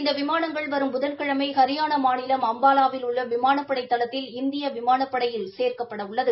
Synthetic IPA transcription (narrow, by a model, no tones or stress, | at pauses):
ɪnd̪ɐʋɪmaːnɐŋɡɐɭʋɐɾɯmbʊðɐlkɐɻɐmɐɪkɐɾɪjaːnɐmaːnɪlɐmɐmbaːlaːʋɪlʊɭːɐʋɪmaːnɐpːɐɽɐɪt̪ːɐlɐt̪ːɪlɪnd̪ɪjɐʋɪmaːnɐpːɐɽɐjɪlseːrkɐpːɐɽɐʊɭːɐðɯ